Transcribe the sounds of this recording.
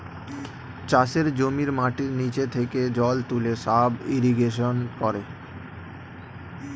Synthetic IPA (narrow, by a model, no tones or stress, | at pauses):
t͡ɕaʃeɾd͡ʑomiɾmaʈiɾnit͡ɕet̪ʰeked͡ʑɔlt̪uleʃabiɾiɡeʃonkɔɾe